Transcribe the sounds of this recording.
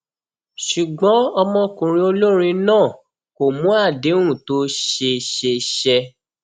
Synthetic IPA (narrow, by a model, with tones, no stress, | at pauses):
ʃu˨ɡ͡bɔ̃˨˦ɔ˧mɔ̃˧kũ˨ɾĩ˦o˧lo˦ɾ̃ĩ˧nãː˦˨ | ko˨mũ˨˦a˦˨dẽ˨˦ũ˦˨to˦ʃe˧ʃe˧ʃɛ˧